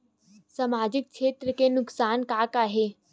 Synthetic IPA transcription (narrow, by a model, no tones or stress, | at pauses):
sɐmaːd͡ʒɪk̚kʃʰeːt̪ɾəkenʊksaːnkaːkaːɦeː